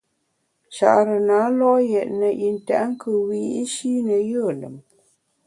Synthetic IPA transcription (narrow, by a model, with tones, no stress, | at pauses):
t͡ʃa̰˨ʔɾə˨na˨˦lɔ˦jɛ˨ʔnə˨ʔi˨n˨ta̰˨ʔŋ̩˦kʰə˨wi˨i˦ʃi˦nə˨jə˦˨lə̰˨m